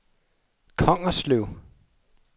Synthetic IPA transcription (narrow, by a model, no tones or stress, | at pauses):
kʰɒ̽ŋ̰ɐslyʊ